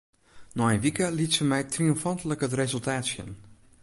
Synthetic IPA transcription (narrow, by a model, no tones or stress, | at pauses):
nɔxənʋikəlitsəmɛjtriʊmfɔntləkɦətrezəlˠtaːtsjə̰n